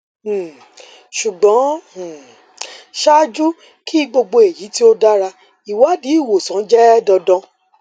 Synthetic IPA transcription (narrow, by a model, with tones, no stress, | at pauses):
ʃu˨ɡ͡bɔ̃˨˦˨ | ʃa˦d͡ʒu˦ | ki˦i˦ɡ͡bo˧ɡ͡bo˧e˨ji˨˦ti˦o˦da˦ɾa˧ | i˨wa˨˦di˨˦i˦˨wo˨sɔ̃˨˦d͡ʒɛ˦dɔ˧dɔ̃˧